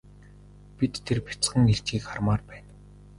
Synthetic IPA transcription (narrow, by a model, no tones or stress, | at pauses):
pit̪ʰːerpʰʲi̥t͡sχə̆ŋxeɬt͡ɕxiːkχarmaːrpæːn